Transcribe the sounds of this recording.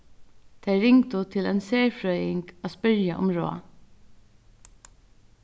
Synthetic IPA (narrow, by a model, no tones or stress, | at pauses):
t̪ʰeɪɾɪŋt̪ʊt̪ʰɪlɛnseːɹfɹœʏɪŋkaspʏɹjaʔʊ̰mɾo̰ːa̰